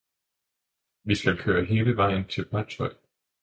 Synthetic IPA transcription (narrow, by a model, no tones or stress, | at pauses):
ʋisɡ̥ælkʰøːɐɦe̝ːləʋɑ̈ɪ̰n̩t͡sʰe̝lb̥ʁæ̥sʰɒɪ̰